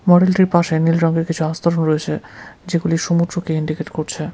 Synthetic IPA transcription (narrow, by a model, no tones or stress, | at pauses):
mɔɽelʈiɾpaʃenilɾɔŋɡeɾkit͡ɕʰuast̪ʰoɾonɾojet͡ɕʰed͡ʑeɡuliʃumud̪ɾokeiɳɖikeʈkoɾt͡ɕʰe